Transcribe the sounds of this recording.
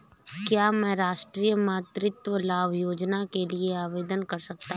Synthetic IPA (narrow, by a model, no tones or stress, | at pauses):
kjaːmɛ̃ːɾaːʃʈɾiːjəmaːt̪ɾɪt̪ʋəlaːʋjoːd͡ʒnakelieaːʋeːd̪ənkɐɾsɐk̚t̪a